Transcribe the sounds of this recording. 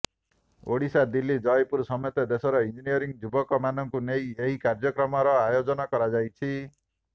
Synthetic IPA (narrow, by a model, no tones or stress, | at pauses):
o̰ɽisad̪ilːid͡ʒɔjpuɾsɔmɔt̪ed̪esɔɾɔind͡ʒinijɔɾiŋd͡ʒubɔkɔmanɔŋkunejeɦikaɾd͡ʒɔkɾɔmɔɾɔajod͡ʒɔnɔkɔɾad͡ʒajt͡ʃʰi